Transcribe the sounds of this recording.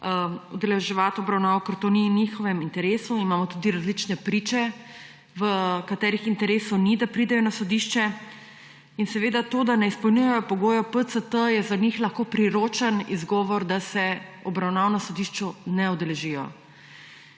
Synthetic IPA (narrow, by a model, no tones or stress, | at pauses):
ṵd̪ɛlɛʒɛʋat̪ɔbɾawnaːʋɔkəɾt̪oːninixɔʋɛmint̪ɛɾeːsuimaːmɔt̪ud̪iɾazlit͡ʃnɛpɾit͡ʃɛ | ʋəkat̪ɛːɾixint̪ɛɾeːsɔwnid̪apɾid̪ɛjɔnasɔd̪iʃt͡ʃɛ | insɛʋeːd̪at̪oːd̪anɛispɔlnʲujɛjɔpɔɡoːjɔpət̪sət̪əjɛzanixlɐxkoːpɾiɾoːt͡ʃənizɡɔːʋɔɾd̪asɛɔbɾawnaːnɔsɔd̪iʃt͡ʃunɛɔd̪ɛlɛʒijɔ̰